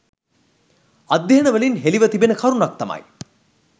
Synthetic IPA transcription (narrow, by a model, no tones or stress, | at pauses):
ad̪ːɐɦənəʋəlinɦeliʋət̪ibenəkʰaɾunuɐk̚t̪ɐmɐ̰j